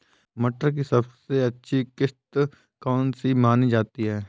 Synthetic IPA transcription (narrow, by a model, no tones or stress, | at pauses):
mɐʈəɾk̬isɐbseɐtːʃʰikɪst̪ | kɔːnsimaːnid͡ʒaːt̪iɦɛː